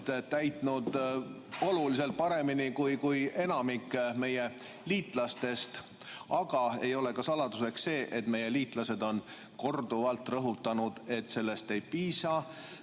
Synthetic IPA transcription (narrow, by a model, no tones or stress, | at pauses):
t̪t̪æjt̪ˑnud̪ | o̞lulis̬e̞lt̪̚pɑɾe̞minikujkuje̞nɑmikːme̞je | liːt̪ˑlɑst̪e̞st̪ | ɑɡ̥ɑe̞jo̞le̞kɑsɑlɑd̪̥use̞kse̞ːʔet̪ːme̞je̞liːt̪ˑlɑse̞d̪o̞n | ko̞rd̪uvɑlt̪ːˑrɤɦut̪ːˑɑnud̪̥e̞t̪ːˑse̞lːe̞st̪e̞jpiːsɑ